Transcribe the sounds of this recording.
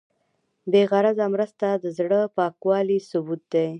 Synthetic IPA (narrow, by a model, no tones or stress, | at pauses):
beɣaɾazamɾəst̪ad̪əzɽəpɑkwɑlisʊbut̪̚d̪e